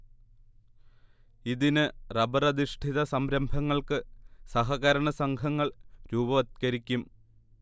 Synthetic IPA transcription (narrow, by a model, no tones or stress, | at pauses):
iðinɨrɐbɐrɐd̪iʂʈʰiðɐsɐmɾɐmbʱɐŋːɐɭkɨsɐɦɐɣɐɾɐɳɐsɐŋkʰɐŋːɐɭɾuːbɐʋɐt̪̚kɐɾikʲːum